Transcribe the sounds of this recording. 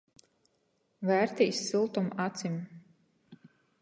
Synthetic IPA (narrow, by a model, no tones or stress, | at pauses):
væːɾt̪iːsːilˠt̪umat̪sim